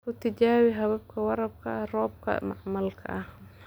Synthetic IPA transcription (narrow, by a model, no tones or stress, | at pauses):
kʊt̪ad͡ʒaːwiɦɐβɐb̚kʰɐwɑɾˤɑb̚kʰa̰ʔrɔːb̚kʰɐ̰maʕmɐlkʰɐ̰ʔah